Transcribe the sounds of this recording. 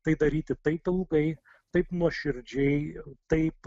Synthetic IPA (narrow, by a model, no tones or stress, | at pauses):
t̪ɐɪd̪ɐɾʲiːt̪ʲɪt̪ɐɪpɪlˠɡɐɪ | t̪ɐɪpnuɔʃʲɪɾʲd͡ʒʲɛɪt̪ɐɪp